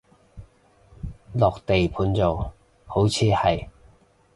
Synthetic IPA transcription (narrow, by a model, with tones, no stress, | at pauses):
lɔː˨k̚t̪e˨jpʰuː˨˧˥nt͡so˨w | ho˨˥wt͡sʰiː˨˧hɐ˨j